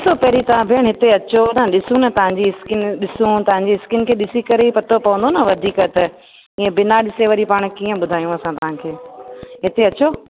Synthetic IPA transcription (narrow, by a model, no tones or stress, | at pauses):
ɗɪsopɐɦɾit̪ɐʋ̤ãbʱɪəɽ̃ɦɪt̪eɐt͡ɕonɐɗɪsũnɐt̪ɐʋ̤ãɲd͡ʑiɪskɪnɗɪsũt̪ɐʋ̤ãɲ̆d͡ʑiɪskɪnkʰeːɗɪsikɐɾeipɐt̪ʰopɐʋə̃nd̪onɐʋɐd̪ʱiːkət̪ɐ | ĩːẽbɪnaɗɪseʋəɾipaːɽ̃kiːə̃ɓʊd̪ʱaːijũɐsãt̪ɐʋ̤ãkʰeːɦɪt̪eɐt͡ɕo